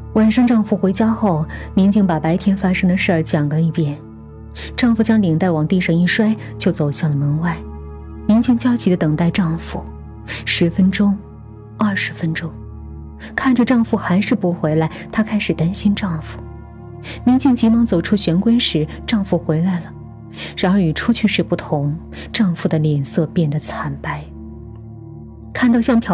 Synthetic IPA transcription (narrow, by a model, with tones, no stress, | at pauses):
wa˨˩nʂɑ˥ŋʈ͡ʂɑ˥˧ŋfu˨˩xwe˧˥ɪt͡ɕja˥xo˥˩ʊmi˧˥ŋt͡ɕi˥˩ŋpa˨˩pa˧˥ɪt̪ʰjɛ˥nfa˥ʂɤ˥ŋd̪ə˨ʂə˥˩˧t͡ɕjɑ˨˩ŋɡə˧˥i˥˩pjɛ˨˩˦n | ʈ͡ʂɑ˥˩ŋfu˧˩t͡ɕjɑ˥ŋli˨˩ŋt̪a˥˩ɪwɑ˨˩ŋt̪i˥˧ʂɑ˥˧ŋi˥˩ʂwa˥ɪt͡ɕjo˥˩ʊt͡so˨˩ʊɕja˥˩ŋlə˩mə˧˥ŋwa˥˩ɪ | mi˧˥ŋt͡ɕi˥˧ŋt͡ɕjɑ˥ʊt͡ɕʰi˧˥d̪ə˦˧t̪ɤ˨˩ŋt̪a˥˧ɪʈ͡ʂɑ˥˧ŋfu˨˩ | ʂɻ̩˧˥fə˥nʈ͡ʂʊ˥ŋ | ɐ˥˩ʂɻ̩˧˥fə˥nʈ͡ʂʊ˥ŋ | kʰa˥˩nʈ͡ʂə˨˩ʈ͡ʂɑ˥˧ŋfu˧˩xa˧˥ɪʂɻ̩˥˩pu˧˥xwe˧˥ɪla˧˥ɪt̪ʰa˥kʰa˥ɪʂɻ̩˨˩t̪a˥nɕi˥nʈ͡ʂɑ˥˩ŋfu̥˨˩ | mi˧˥ŋt͡ɕʰi˥˩ŋt͡ɕi˧˥mɑ˧˥ŋt͡so˨˩ʊʈ͡ʂʰu˥ɕɥɛ˧˥nkwe˥ɪʂɻ̩˧˥ʈ͡ʂɑ˥˧ŋfu˧˨˩xwe˧˥ɪla˧˥ɪlə˨ | ɻa˧˥nə˞˧˥y˨˩ʈ͡ʂʰu˥t͡ɕʰy˥˧ʂɻ̩˥˧˩pu˥˩t̪ʰʊ˧˥ŋ | ʈ͡ʂɑ˥˧ŋfu˨˩d̪ə˩ljɛ˨˩nsɤ˥˧pjɛ˥˩nd̪ə˩t͡sʰa˧˥npa˥˩ɪ | kʰa˥˧nt̪ɑ˥˧ɕjɑ˥˧ŋpʰjɑ˨˩